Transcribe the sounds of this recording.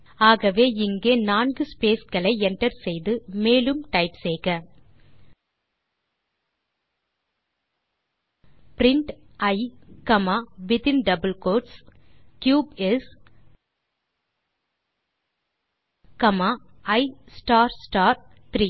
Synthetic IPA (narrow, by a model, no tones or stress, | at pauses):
aːɣɐʋeːɪŋɡeːnaːnɡɯspeːskɐɭɐɪɛɳʈɐɾsɛjðɯmeːlɯmʈɐɪpseːɣɐ | pɾɪɳʈɐɪkɐmaːʋɪt̪ɪnɖɐbɐlkoːʈs | kjuːbɛs | kɐmaː | ɐɪsʈaːɾsʈaːɾ | t̪ɪɾiː